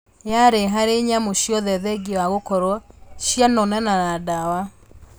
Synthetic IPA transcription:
jaɾeɦaɾeɲamoʃjɔðɛðɛɡewaɣokɔɾwɔʃjanɔnɛnanadawa

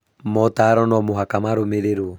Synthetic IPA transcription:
mɔtaːɾɔnɔmoɦakamaɾomeɾeɾo

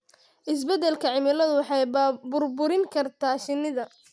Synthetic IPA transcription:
ʔɪs̬bɛd̪ɛlkʰɐʕɪmɪlɐðʊwɑħɑjbʊrbʊɾɪŋkʰɐrt̪ʰaːʃɪnːɪðɐ

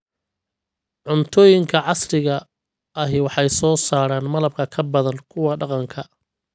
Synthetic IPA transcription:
ʕʊnt̪ʰɔːjɪŋkʰɐʕɑsɾɪɣɐ | ɐɦɪwɑħɑjsɔːsaːɾaːnmɐlɐb̚kʰɐkʰɐbɐðɐnkʰʊwɑɖɑqɑŋkʰɐ

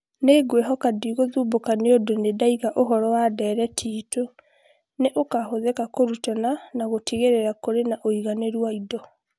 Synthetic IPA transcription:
neɡweɦɔkadiɣoðuːbokaneodonedaiɣaʔoɦɔɾɔwadɛːɾɛtʰiːto | neʔokahoðɛkakoɾutɔnanaɣotʰiɣeɾeɾakoɾenaʔoiɣaneɾwaidɔ

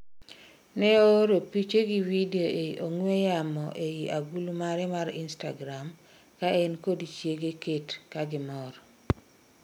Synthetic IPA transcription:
nɛooɾopit͡ʃeɡiwideoeʔoŋwejamɔʔejiʔaɡulumaɾɛmaɾinsta̰ɡɾam | kaenkodit͡ʃjeɡeketkaɡɪmɔɾɔ

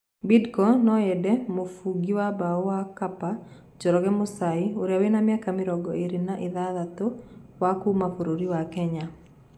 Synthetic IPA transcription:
bidkɔnɔɛdɛmofuɡiwabaɔwakapa | d͡ʒɔɾɔɡɛmʊsaɪoɾjawenamjakamɪɾɔɡɔeɾɪnaʔɪðaðat̪owakumafoɾoɾiwakɛɲa

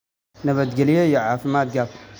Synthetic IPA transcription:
nɐβɐd̪̚ɡɐlijejɛʕafimat̪̚ɡaf

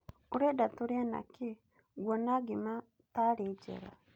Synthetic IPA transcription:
uɾedatuɾjana̰ki | ɡwonaɡima | taɾed͡ʒḛɾa̰

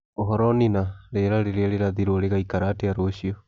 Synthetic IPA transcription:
oɦɔɾɔninaɾeɾaɾeɾeɾeɾaðiɾoɾeɣaikaɾateaɾoːɕiɔ

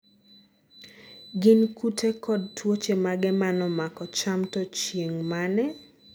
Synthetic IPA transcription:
ɡɪnkutʰekʰɔd̚twot͡ʃemaɡɛmanɔmakɔt͡ʃamtɔt͡ʃjeŋmanɛ

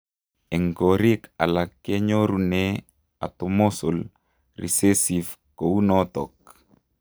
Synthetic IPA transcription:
ɛŋɡoɾikalakːeɲoɾune | a̰t̪omosol | rḭsesif | kounɔt̪ɔk

